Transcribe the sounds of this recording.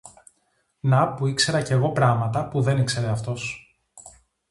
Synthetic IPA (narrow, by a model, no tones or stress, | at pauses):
nɐpuikse̞ɾɐce̞ɣo̞pɾɐmɐt̪ɐpuðe̞nikse̞ɾe̞ɐft̪o̞s